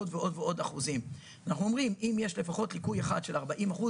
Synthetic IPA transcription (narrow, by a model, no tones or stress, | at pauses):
odveʔo̞d̪veo̞daχuzim | anaχnuo̞mʁimimje̞ʃle̞faχo̞tlikujeχa̰dʃe̞laʁbaʔimaχu